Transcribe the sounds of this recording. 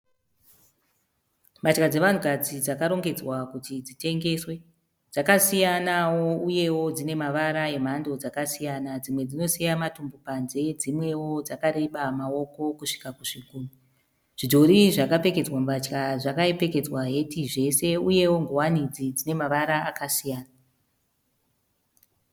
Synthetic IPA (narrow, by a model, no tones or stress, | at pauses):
mat͡ʃkad͡ze̞ʋan̤ukad͡zid͡zakaɾo̞ŋɡe̞d͡zwakutid͡zite̞ŋɡe̞ːswe̞ | d͡zakasijanawo̞uje̞wo̞d͡zine̞maʋaɾae̞m̤ando̞d͡zakasijanad͡zimwe̞d͡zino̞sijamatumbupanze̞d͡zimwe̞wo̞d͡zakaɾe̞ɓamao̞ko̞kuʂi̥kakuʂikuːnu | ʐ̥id͡ʒo̞ɾiʐakape̞ke̞d͡zwamat͡ʃkaʐakaepe̞ke̞d͡zwaɦe̞tiʐe̞se̞uje̞wo̞ŋɡowanid͡zid͡zine̞maʋaɾaakasijaːna